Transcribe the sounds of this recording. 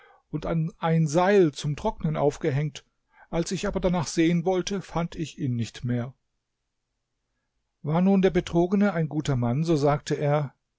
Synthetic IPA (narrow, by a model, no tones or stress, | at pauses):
ʔʊntanʔaɪnzaɪlt͡sʊmtʁ̥ɔk̚nənʔa̰ʊfɡ̥əɦɛŋ̚t | ʔalsɪçʔaːbɐdanaːχz̥eːənvɔltʰəfantɪçiːnːɪçtmeːɐ | vaːɐnuːndeːɐbətʁ̥oːɡənəaɪnɡuːtɐmanzoːzaːk̚tʰəʔeːɐ